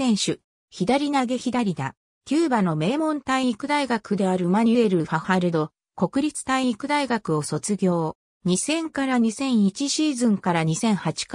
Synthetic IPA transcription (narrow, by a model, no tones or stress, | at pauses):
ẽ̞ɰ̃ɕɨ | çid̪aɾʲinaɡe̞çid̪aɾʲid̪a̰ | kʲɨːbano̞me̞ːmõ̞nt̪aiikɯ̟d̪aiɡakɯ̟d̪e̞aɾɯ̟maɲ̟ɯeɾɯ̟hahaɾɯ̟d̪o̞ | ko̞kɯ̟ɾʲit͡sɨ̥t̪aiikɯ̟d̪aiɡakɯ̟o̞so̞t͡sɨɡʲo̞ː | ɲ̟isẽ̞ŋkaɾaɲ̟isẽ̞ɰ̃it͡ɕiɕiːzɨ̃ŋkaɾaɲ̟isẽ̞ɰ̃hat͡ɕi̥k